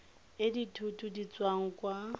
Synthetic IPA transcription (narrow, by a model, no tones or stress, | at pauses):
ɪditʰutʰʼudit͡sʼwaŋ̩kwa